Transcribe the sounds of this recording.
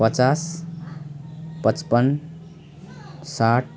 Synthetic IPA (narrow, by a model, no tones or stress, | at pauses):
pʌt͡sas | pʌt͡spən | saʈ̚ʰ